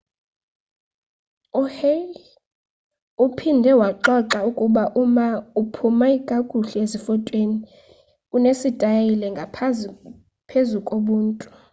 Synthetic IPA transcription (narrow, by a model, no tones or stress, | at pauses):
uhe | upʰindʱɛwaǁɔǁaukʼuɓaʔumaupʰumaiɡ̥ʱaɡ̥ʱuɬɛezifɔtʼweni | unesid̥ʱʼajilɛŋɡʱapʰ | pʰezukʼoɓuːntʼu